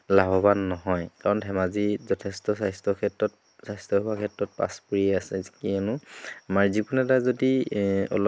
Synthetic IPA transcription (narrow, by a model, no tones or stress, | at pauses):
laɦɔbanːɔɦɔjkaɹɔnʰʱɛmazizɔtʰɛstɔsajstɔkʰɛtɹɔt̚ | sajstɔɦuakʰɛtːɹɔt̚pa̰spuɹiɛasɛzi̥kiɛnʊamaɹzikunɛtazodiɔ̰l